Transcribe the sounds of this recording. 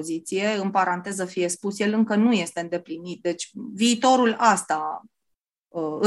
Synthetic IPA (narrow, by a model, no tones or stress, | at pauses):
zit̪sije̞ɨnpaɾant̪e̞zəfije̞spusje̞lɨŋkənuje̞st̪e̞ɨnd̪e̞plinit̪̚d̪e̞t͡ʃʲviːt̪o̞ɾulast̪a | əɨ